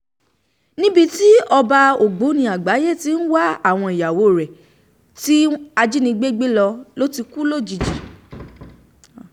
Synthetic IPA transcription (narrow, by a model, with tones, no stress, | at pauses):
nĩ˦bi˧ti˦ɔ˧ba˧o˨ɡ͡bo˨˦nĩ˧a˨ɡ͡ba˨˦je˦˨ti˨˦n̩˦wa˦a˦˨w̃ɔ̃˧i˨ja˨wo˨˦˨ɾɛ˨ | ti˦a˧d͡ʒi˦nĩ˧ɡ͡be˦ɡ͡be˦lɔ˧lo˦ti˧ku˦lo˦˨d͡ʒi˧d͡ʒi˨